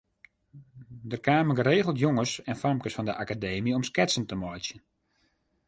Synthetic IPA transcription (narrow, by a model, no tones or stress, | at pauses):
dərkaːməɡəɾeːɣəl̩ˠtjoŋəsɛnfɔrmkəsfɔndəʔakadeːmiɔmskɛtsəntəmɔjtsjən